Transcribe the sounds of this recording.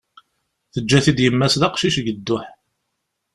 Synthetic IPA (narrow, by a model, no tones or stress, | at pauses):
θəd͡ʒːæθid̪jəmːæsðɑqʃiʃɡəd̪ːʊħ